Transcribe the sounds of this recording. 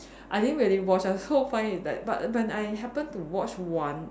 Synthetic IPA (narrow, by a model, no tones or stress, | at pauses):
ʔaɪt̪θĩŋkwilĩwɔt͡ʃasofãɪnidɛ̰t̚ba̰t̚wɛ̃naɪɦɛpə̃ntuwɔt͡ʃwãn